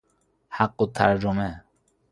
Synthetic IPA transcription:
haqːot̪ʰːæ̰ɾd͡ʒome

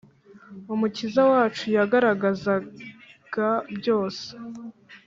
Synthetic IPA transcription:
umucizawaːt͡ʃujaɡaɾaɡaza | ɡ̥abjo̞ːse̥

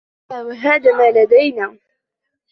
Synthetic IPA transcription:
awaɦaːðaːmaːlad̪ajnaː

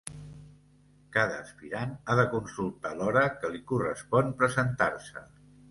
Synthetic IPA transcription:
kaðəːspiɾanaðəkunsulˠt̪alɔɾəkəlikurəspɔnpɾəzənt̪arsə̰

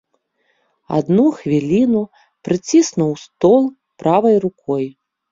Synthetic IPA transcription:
a̰d̪nuxvʲilʲinu | pɾɨt͡sʲisnuwst̪ɔlˠ | pɾavɐjrukɔj

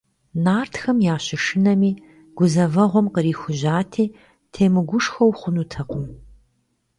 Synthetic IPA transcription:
naːrtxɐmjaːɕɪʂɨnɐmiː | ɡ̥ʷʊzɐvɐʁʷɔmqəɾiːxʷʊʑaːtʰiː | tʰeːmɨɡʷʊʂxɐwχʷʊnutʰɐqʷʊm

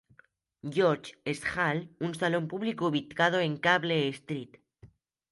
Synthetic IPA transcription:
ɟ͡ʝoɾt͡ʃesxalunsalo̞mpuβlikouβit̪kað̞o̞e̞ŋkaβleːst̪ɾit̪

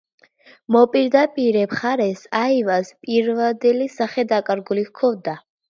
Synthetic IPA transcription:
mɔpʼiɾd̪apʼiɾɛpʰχaɾɛsaivaspʼiɾvad̪ɛlisaχɛd̪akʼaɾɡulihkʰɔvd̪a

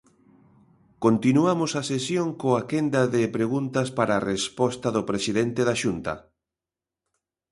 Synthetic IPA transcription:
kont̪inuamʊsasesjoŋkoakend̪aðepɾeɣunt̪aspaɾaːrespɔst̪ɐðʊpɾesiðent̪eðaʃunt̪ɐ̰

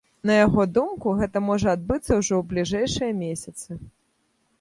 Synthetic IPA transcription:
nɐjaɣɔd̪umkuɣɛt̪ɐmɔʐɐad̪̚bɨt̪sːɐwʐɔwblʲiʐɛjʂɨjɐmʲesʲɐt̪sɨ

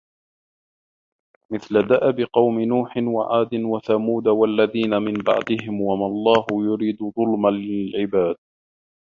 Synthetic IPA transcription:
mɪθlad̪aʔabɪqɑwmɪnuːħɪnwa̰ʕaːd̪ɪnwaθamuːd̪awalːaðiːnamɪmbɑ̰ʕd̪ɪɦɪmwamalˤːɑːɦʊjʊɾiːd̪ðˤʊlmalːɪlʕɪbaːd̪̚

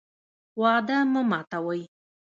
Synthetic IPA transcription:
waːd̪aməmat̪awəj

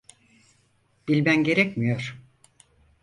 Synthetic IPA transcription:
b̥ilʲbænɟe̞ɾɛcmijo̞ɾ̥

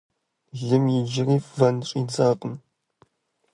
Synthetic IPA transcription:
ɮɨmjɪd͡ʒɪriːvɐnʈ͡ʂʼiːd͡zaːqʼəm

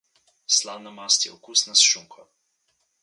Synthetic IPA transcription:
slawnamast̪jɛɔkusnasʃuŋkʰɔ

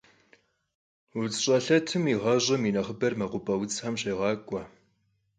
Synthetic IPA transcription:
ʊt͡sɕʼɐɬɐtʰɨmiʁɐʑʼɪminɐχəbɐrmɐqʷʊpʼɐwt͡sʼħamɕeːʁɑːkʷʼɐ

